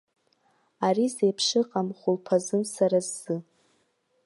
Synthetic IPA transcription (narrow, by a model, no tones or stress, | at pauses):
arizejpʰʂɨqʼamχʷʊlpʰazɨmsaɾazːɨ